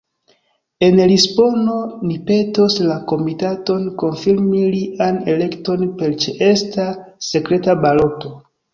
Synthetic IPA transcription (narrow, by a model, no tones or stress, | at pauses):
e̞nlisbo̞no̞nipe̞to̞slako̞mitato̞nko̞nfiɾmiliʔane̞le̞kto̞npe̞lt͡ʃeʔe̞stase̞kɾe̞tabalo̞to̞